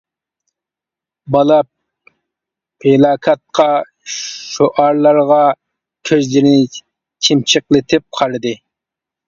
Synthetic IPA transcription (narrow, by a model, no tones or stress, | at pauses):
bɑlˠɑp̚ | elˠɑːkʰɑt̪̚qʰɑ | ʃoʔɑɾlˠɑɾʁɑ | kʲʰøzlɪɾɪnɪ | t͡ʃʰimt͡ʃʰəqlˠɪt̪ʰɪp̚qʰɑɾɨd̪ɨ